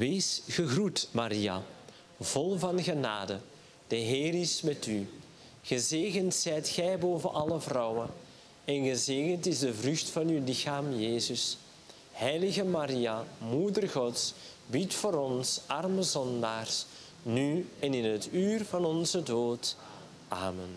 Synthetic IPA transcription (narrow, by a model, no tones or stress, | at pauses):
ʋeːsɣəɣrutmaɾia̰ | v̥ɔlˠvɑnɣəna̰ːdə | d̥əɦeːɾɪsmɛty | ɣəzeːɣəntsɛjtxɛjboːvənʔɑləvrɔwə | ɛnɣəzeːɣəntɪzdəvrʏxtfɑnywlɪxaːmjeːzəs | hɛjlɪɣəmaɾiamudərɣɔtsbitfoːɾɔnsɑrməzɔndaːrs | nyɛnɪnɦətyːrvɑnɔnzədoːt | aːmən